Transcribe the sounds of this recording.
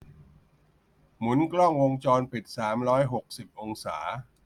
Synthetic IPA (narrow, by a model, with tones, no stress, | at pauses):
mu˩˦nklɔ˥˩ŋwo˧ŋt͡ɕɔː˧npi˨˩t̪̚saː˩˦mɾɔː˦˥jɦo˨˩k̚si˨˩p̚ʔo˧ŋsa̰ː˩˦